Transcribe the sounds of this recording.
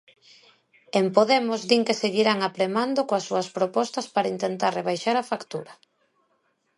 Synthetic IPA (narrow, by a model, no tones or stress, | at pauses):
empoðɛmʊzðiŋkeseɣiɾaŋapɾemand̪okoasːuɐspɾopɔst̪ɐspaɾaint̪ent̪arreβ̞ajʃaɾafakt̪uɾɐ